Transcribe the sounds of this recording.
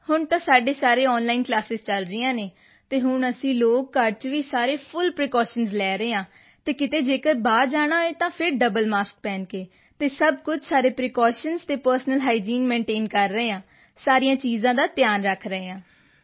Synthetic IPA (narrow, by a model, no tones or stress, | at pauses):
hʊɳt̪ãːsaːɖeːsaːɾeːɔːnlaːiːnklaːsɪzt͡ʃəlɾɪjãːneː | t̪eːɦʊɳəsĩːloːkːəɾɖ̚t͡ʃʋiːsaːɾeːpʰʊlpɾeːkɔːʃənzlɛːɾəeːãː | t̪eːkɪt̪eːd͡ʒeːkəɾbaːɾd͡ʒaːɽ̃aːeːt̪ãːpʰɪɾɖəbəlmaːsk̚pɛːnkeː | t̪eːsəbkʊt͡ʃʰsaːɾeːpɾeːkɔːʃənzt̪eːpəɾsnəlɦaːid͡ʒiːnmẽːɳʈeːnkəɾːəeːãː | saːɾijãːt͡ʃiːzãːd̪aːt̪ɪjaːnɾəkʰɾəeːãː